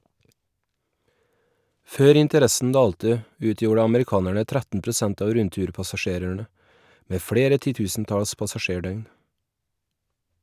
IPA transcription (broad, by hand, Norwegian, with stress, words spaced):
ˈføːɾ ɪntəˈɾɛsn̩ ˈdɑːltə ˈʉːtjuːɽə ɑməɾɪˈkɑːnæɳə ˈtɾætn̩ pɾʊˈsænt ˈɑːʋ ˈɾʉntʉːɾpɑsɑˌʃeːɾəɳə ˈmeː ˈfɽeːɾə tɪˈtʉːsn̩ˌtɑls pɑsɑˈʃeːˌɖœʏn